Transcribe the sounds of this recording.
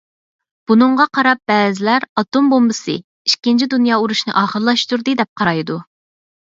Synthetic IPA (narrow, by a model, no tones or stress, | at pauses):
b̥unɨɴʁɑqʰɑɾɑp̚b̥ɛːzɪlæɾɑt̪ombombɨsɨ̰ | iʃkʲint͡ʃʰid̪unjɑːuɾuʃnɨ̰ʔɑːχəɾlˠɑʃt̪uɾd̪ɨd̪ɛp̚qʰɑɾɑjd̪u